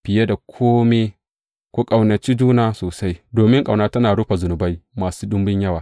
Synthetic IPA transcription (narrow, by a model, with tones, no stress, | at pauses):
ɸɪ˨je˦da˨kʷʰoː˦me˦ | kʷo˦kʼa˨wnɐ˨t͡ʃiː˦d͡ʒuː˦naː˦soː˨sa˦jdoː˨mɪ˦ŋkʼa˨wnaː˦tɐ˦naː˨ɽʊ˦ɸa˨zʊ˨nʊ˨ba˦jmaː˨suː˦ɗʊ˦mbɪ˦ɲjɐ˦waː˨